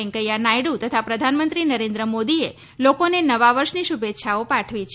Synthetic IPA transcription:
eŋkəjanajɽut̪ət̪ʰapɾəd̪ʱanmə̃nt̪ɾinəɾẽnd̪ɾəmod̪ie | lokonenəʋaʋəɾʃniʃubet̪ːʃʰaopaʈʰʋit͡ʃʰ

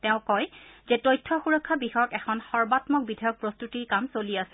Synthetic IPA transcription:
tɛʊ̃kɔjzɛtɔjtʰːɔxuɹɔkʰːabixɔjɔkɛkʰɔnxɔɹbatmɔk̚bidʱajɔk̚pɹɔstutiɹkamsoliasɛ̥

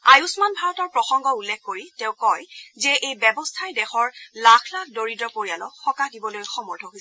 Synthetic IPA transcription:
ajusmanbʱaɹɔtɔɹpɹɔxɔŋɡɔulːɛkʰkoɹitɛ̃ʊ̃kɔjzɛʔejbɛbɔstʰajdɛxɔɹlakʰlakʰdoɹidɹɔpoɹijalɔxɔkadibɔlojxɔmɔɹdʰʱɔɦojsɛ

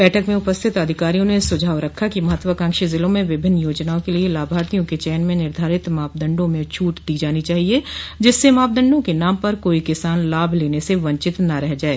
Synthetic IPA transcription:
bɛːʈʰəkmẽʊpəst̪ʰɪt̪ɐd̪ʱɪkaːɾijõnesʊd͡ʒʱaːʋɾɐkʰːakimɐɦət̪ʋəkə̃ŋkʃəzɪlõmẽʋɪbʱɪnːjoːd͡ʒnaːõkelielaːbʱaːɾt̪ijõket͡ʃɛːnmẽnɪɾd̪ʱaːɾɪt̪maːp̚d̪ə̃ɳɖõmẽt͡ʃʰuːʈd̪iːd͡ʒaːnit͡ʃaːɦied͡ʒɪsːemaːp̚d̪ə̃ɳɖõkenaːmpɐɾkoːikɪsaːnlaːbʱleːneseʋɐ̃ɲt͡ʃɪt̪naɾɛɦd͡ʒaːeː

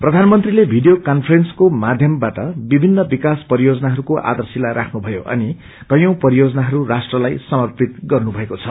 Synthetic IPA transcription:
prʌd̪ʱanmʌnt̪rilebʱiɖijokanpʰʌrenskomad̪ʱjʌmbaʈʌbibʱinːʌbikaspʌɾijod͡zʌnaɦʌɾukoʔa̰d̪ʌrsilaɾʔakʰnubʱʌjo̰ʔʌ̰ni | kʌjõw̃pʌɾijod͡zʌnaɦʌɾurasʈrʌlajsʌmʌrpit̪̚ɡʌrnubʱʌekot͡sʰʌ

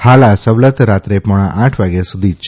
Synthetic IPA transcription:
halasəʋlət̪ɾat̪ɾepɔɽ̃ãʔãʈʰʋaɡjasud̪ʱit͡ʃ

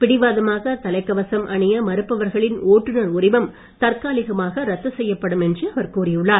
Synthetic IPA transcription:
pɪɽɪʋaːðɐmaːɣɐt̪ɐlɐɪkːɐʋɐsɐmʔɐɳɪjɐmɐɾɯpːɐʋɐɾɣɐɭɪnoːʈːɯnɐɾʊɾɪʋɐm | t̪ɐɾkaːlɪɣɐmaːɣɐɾɐt̪ːɯsɛjːɐpːɐɽɯmɛndrɯɐʋɐɾkuːrɪjɯɭːaːɾ

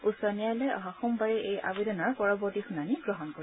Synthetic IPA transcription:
usɔnijalɔjɔɦaxɔmbaɹɛʔeja̰bedɔnɔɹpɔɹɔbɔɹtixunaniɡɹɔɦɔnkoɹi

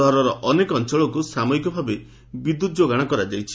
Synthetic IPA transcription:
ɔɦaɾɔɾɔʔɔnekɔɔnt͡ʃɔɭɔkusamɔikɔbʱabe | bid̪ːut̪̚d͡ʒoɡaɽ̃akɔɾad͡ʒejt͡ʃʰi̥

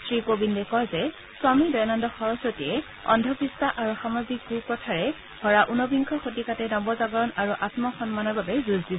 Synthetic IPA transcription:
sɹikobindɛkɔjzɛ | swamidɔjnandɔxɔɹɔsotijɛ | ɔ̰ndʱɔpistaʔaɹuxamazik̚ɡupɹɔtʰaɹɛ | hɔɹaʔunɔbiŋkʰɔxotikatɛnɔbɔzaɡɔɹɔnaɹuʔatmɔxɔnmanɔɹbabɛzuzdi

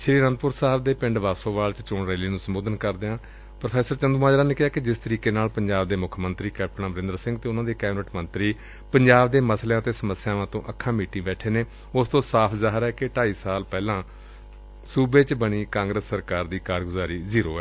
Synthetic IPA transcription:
ʃʰɪɾiːɾənd̪pʊɾsaːɦbd̪eːpɪ̃ɳɖʋaːsõːʋaːlt͡ʃt͡ʃʊɳɾɛːliːnũːsəmboːd̪ənkəɾd̪eːãː | pɾəpʰɛːsəɾt͡ʃənd̪uːmaːd͡ʒɾaːneːkɪɦaːkɪd͡ʒɪst̪əɾiːkeːnaːlpəɲd͡ʒaːbd̪eːmʊkʰmənt̪ɾiːkɛːp̚ʈənãːbəɾɪ̃nd̪əɾsɪ̃ŋɡt̪eːʊnãːd̪eːkɛːbnəʈmənt̪ɾiː | pəɲd͡ʒaːbd̪eːməsleãːt̪eːsəməsːjãːʋãːt̪õːʔəkʰːãːmiːʈĩːbɛːʈʰeːneː | ʊst̪õːsaːpʰzaːɦəɾɛːkɪʈaːiːsaːlpɛːlãː | suːbeːt͡ʃbəɽ̃iːkãːŋɡɾəsːəɾkaːɾd̪iːkaːɾɡʊzaːɾiːziːɾoːɛː

